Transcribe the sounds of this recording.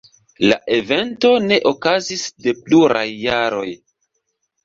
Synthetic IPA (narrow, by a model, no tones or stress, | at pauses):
la̰ʔe̞ve̞nto̞ne̞ʔo̞kazisde̞pluɾa̰jːaɾo̞j